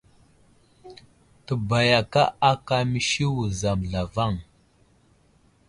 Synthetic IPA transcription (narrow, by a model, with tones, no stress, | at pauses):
tə˨ba˨ja˨ka˦a˦ka˦mi˦ʃi˦wu˨za˨mɮa˨va˦˨ŋ